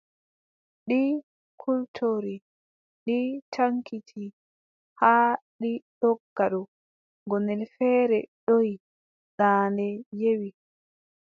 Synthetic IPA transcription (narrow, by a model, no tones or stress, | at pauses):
ɗi | kʰultʰoɾi | ɗitʰaŋkʰitʰi | haɗiɗɔɡːaɗɔ | ɡɔnɛlfɛːɾɛɗoj | ɗaːndɛjewi